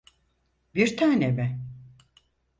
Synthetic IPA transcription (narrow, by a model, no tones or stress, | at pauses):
biɾt̪ʰaːnemɛ